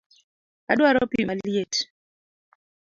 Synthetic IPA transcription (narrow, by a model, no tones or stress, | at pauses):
adwaɾɔpimaljet